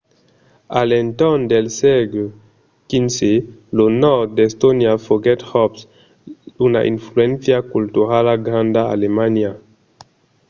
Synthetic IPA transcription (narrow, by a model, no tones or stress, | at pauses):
alɛnt̪ɔnd̪elsɛɡlo | kinselonɔɾt̪̚d̪est̪onjafoɡɛt̪hɔps | una̰ʔḭnfluɛnθjakult̪uɾalaɡɾãnd̪aa̰lemanja